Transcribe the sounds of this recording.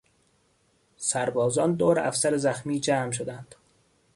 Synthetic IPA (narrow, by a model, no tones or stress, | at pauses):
sæɾbɒːzɒːnd̪oːɾʔæ̰fsæɾezæxmiːd͡ʒæːmʃ̬od̪ænd̪̥